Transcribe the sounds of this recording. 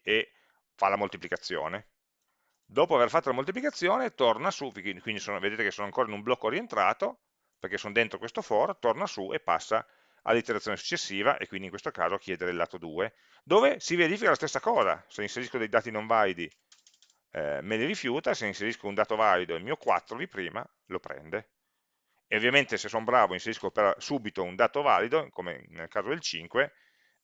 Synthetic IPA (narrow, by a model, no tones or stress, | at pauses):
e | falamolt̪iplikat̪sːjo̰ːne | d̪ɔːpoaverfat̪ːalamolt̪iplikat̪sːjoːnet̪ornasuvikwind̪isoːnoved̪eːt̪ekesoːnoaŋkoːɾainumblɔkːorient̪ɾaːt̪o | perkesoːnd̪ent̪ɾokwest̪ofɔːɾot̪ornasuʔḛpːa̰sːa̰ | a̰lːit̪eɾat̪sjoːnesu̥t͡ʃːesːiːva̰ʔḛkːwind̪iŋkwest̪oka̰ːzoakjɛːd̪eɾelːa̰ːt̪od̪uːe | d̪oːvesiveɾiːfikalast̪esːakɔːza̰seinseɾiskod̪ejd̪aːt̪inõɱvalid̪i | ɛ̰meliɾifjuːt̪aseinseɾiskound̪aːt̪ovalid̪oeilmiːokwa̰t̪ːɾod̪ipɾiːma̰ | lopɾɛ̰nd̪e | eovjament̪esesonbɾaːvoinseɾiskopeɾɔsuːbit̪ound̪aːt̪ovalid̪okomḛnelkaːzod̪elt͡ʃiŋkwe